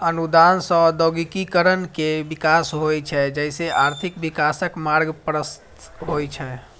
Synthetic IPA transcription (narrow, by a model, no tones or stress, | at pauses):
ənud̪ansə̃d̪oɡikikəɾənkebikasɦojt͡ʃʰɛd͡ʒɛɪseʔaɾt̪ʰikbikasəkmaɾɡpɾəst̪ɦojt͡ʃʰɛ